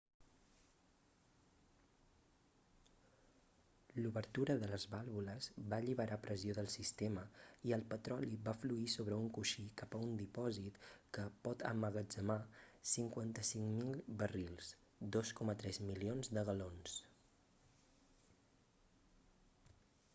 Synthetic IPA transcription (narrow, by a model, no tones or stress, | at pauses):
luβəɾt̪uɾəðələzβalˠβuləzβaʎiβəɾapɾʔəzioðəlˠsist̪eməiəlˠpət̪ɾɔliβafluisoβɾəuŋkuʃikapəund̪ipɔzit̪kəpɔt̪ə̰məɣəd͡ʒəmasiŋkwant̪əsiŋmilˠβərilˠs | d̪oskɔmət̪ɾɛzmilionzðəɣəlons